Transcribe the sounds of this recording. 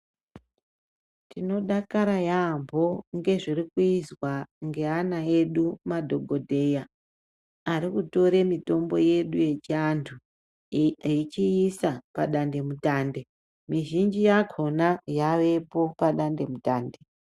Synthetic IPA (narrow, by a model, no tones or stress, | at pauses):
tino̞ɗakaɾajambʱo̞ŋɡe̞ʐirikuizwaŋɡe̞anae̞ɗumadʱo̞ɡʱo̞dʱe̞jaː | ɾikuto̞ɾe̞mito̞mbo̞je̞ɗuje̞t͡ʃiantʰu | it͡ʃiisapaɗande̞mutaːnde̞ | miʒind͡ʒijaɡʰʱo̞najaʋe̞po̞paɗande̞mutaːnde̞